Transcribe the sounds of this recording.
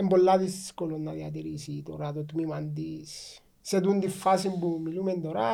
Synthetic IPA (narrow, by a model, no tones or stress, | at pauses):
ɛmbolːaðiskolɔnːaðiat̪̬eɾisit̪oɾat̪ɔt̪mimand̪is | sed̪und̪ifːasimbumilumend̪oɾa